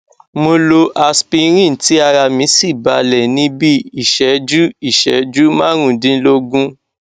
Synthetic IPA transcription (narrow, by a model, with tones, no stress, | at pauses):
mo˧lo˧ʔa˧spi˧ɾ̃ĩ˦˨n̩˨ti˦a˧ɾa˧mĩ˨˦si˦˨ba˨˧lɛ˨nĩ˨˦bi˦i˦˨ʃɛ˨˦d͡ʒu˦i˦˨ʃɛ˨˦d͡ʒu˦mãː˦ɾ̃ũ˦˨dĩ˦lo˦ɡũ˦